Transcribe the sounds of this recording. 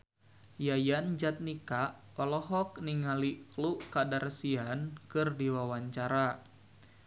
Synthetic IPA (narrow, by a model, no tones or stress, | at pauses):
jajand͡ʒat̪̚nika | ɔlɔɦɔk̚niŋalikluʔkadarsiankɨrdiwawaɲt͡ʃaɾa